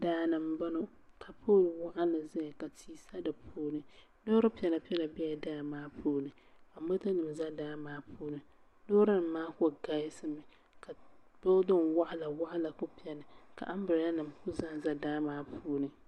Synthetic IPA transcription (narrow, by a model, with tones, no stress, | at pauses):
daː˦nɨ˨m˨ba˦no˦ | kʰa˨pʰoː˦˨lwa˦ʔa˦lɨ˨zɛ˦˨ka˨tʰiː˦sa˦dɨ˨pʰuː˦nɨ˨ | no˦ɾɨ˦pi˨ɛ˨la˨pi˦ɛ˦la˨bɛ˦ja˨daː˦˨maː˦pʰuː˦nɨ˨a˨mo˦ta˦nɨ˨m˨za˦daː˦maː˦pʰuː˦nɨ˨ | noː˦ɾa˦nɨ˨mːaː˦kɔ˦˨ɡa˦jɪ˦sɨ˦mɨ˨ | kʰa˨b̥o˦dʊ˦nwa˦ʔa˦la˨wa˦ʔa˦la˨kʊ˦pi˦ɛ˨nɨ˨ka̰˨ʔa˦m˦bɨ˨ɾja˦nɨ˨mkʊ˦zã˦˨za˦daː˦maː˦pʰuː˦nɨ˨